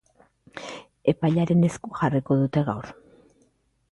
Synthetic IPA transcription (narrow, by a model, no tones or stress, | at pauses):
e̞pajʎaɾe̞ne̞skuʝariko̞ðut̪e̞ɣ̞awɾ